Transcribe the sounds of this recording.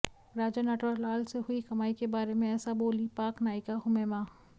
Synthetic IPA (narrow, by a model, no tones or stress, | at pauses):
ɾaːd͡ʒənɐʈəɾlaːlseɦʊikɐmaːikebaːɾemẽɛːsaboːlipaːknaːjikaɦʊmemaː